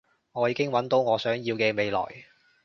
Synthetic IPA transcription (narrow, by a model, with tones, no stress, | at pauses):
ŋɔː˨˧jiː˨˧kɪ˥ŋwɐ˨˥nt̪o˨˥wŋɔː˨˧sœː˨˥ŋjiː˧wkɛː˧me˨˧jlɔ̰ː˨˩j